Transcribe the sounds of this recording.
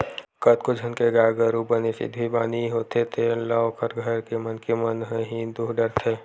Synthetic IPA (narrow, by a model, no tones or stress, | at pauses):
kət̪̚kod͡ʒʱənkeɡaːɡəɾubənesɪ̰d̪ʱbʱibaːniɦoːt̪ʰet̪ʰelaokʰəɾɡʱəɾkemənkemənɦəɦĩnd̪uɦɖəɾt̪ʰeː